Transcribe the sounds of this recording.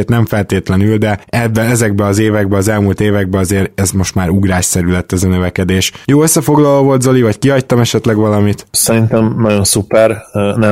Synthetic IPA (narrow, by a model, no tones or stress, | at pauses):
t̪nɛɱfɛlt̪eːt̪lɛnyld̪ɛɛbːɛlɛzɛɡbɛɒzeːvɛɡbɛɒzɛlmult̪eːvɛɡ̚bɛɒzeːɾɛzmo̞ʃt̪maːɾuɡɾaːʃsɛɾylɛt̪ːɛzɒnøvɛkɛd̪eːʃjoːøsːɛfo̞ɡlɒloːvo̞lt̪zo̞livɒckiɦɒct̪ɒmɛʃɛt̪lɛɡʋɒlɒmit̪sɛɾint̪ɛmnɒɟo̞nsupɛrnɛ